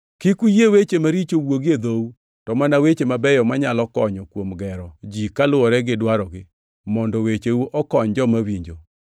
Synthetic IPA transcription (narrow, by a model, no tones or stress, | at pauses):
kɪkujewet͡ʃemaɾit͡ʃowoɡed̪ou | tɔmanawet͡ʃemabɛjɔmaɲalɔkɔɲɔkwomɡɛɾɔd͡ʒikalʊwɔɾɛɡɪdwaɾɔɡɪ | mɔndɔwet͡ʃeuʔɔkɔɲd͡ʒɔmawiɲd͡ʒo